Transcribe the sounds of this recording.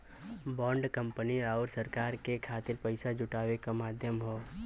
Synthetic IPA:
bɔːɳɖkə̃mpəniaːɾsəɾkaːɾkekʰaːt̪ɪɾpəɪsad͡ʒʊʈaːwekamaːd̪ʱjəmɦoː

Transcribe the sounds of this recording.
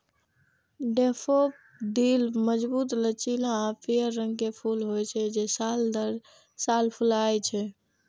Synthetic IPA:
ɖepʰop̚ | d̪ilməd͡ʒbut̪lət͡ʃilãapʰijəɾːəŋɡkepʰulɦojt͡ʃʰɛd͡ʒesald̪əɾ | salpʰulajt͡ʃʰɛ

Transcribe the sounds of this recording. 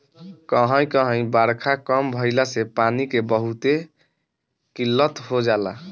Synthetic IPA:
kəɦə̃j̃kəɦə̃j̃baɾkʰakəmbʱəɪlasepanikebəɦut̪e | kilːət̪ɦod͡ʒala̰

